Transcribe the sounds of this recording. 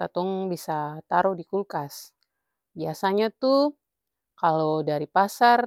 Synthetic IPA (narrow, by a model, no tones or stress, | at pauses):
at̪ɔŋbisat̪aɾuhdikulkas | biasaɲat̪u | kalodaɾipasar